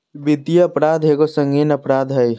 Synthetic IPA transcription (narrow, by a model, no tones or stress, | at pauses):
bit̪ijəəpɾad̪ʱɦeɡosə̃ŋɡʱenəpɾad̪ʱɦəj